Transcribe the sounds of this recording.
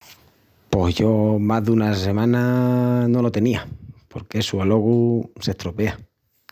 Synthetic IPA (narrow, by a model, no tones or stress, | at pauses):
po̞ɦʝo̞maɦðunase̞mãnanolot̪e̞niapo̞ɾkesualo̞ɣuse̞ht̪ɾope̞a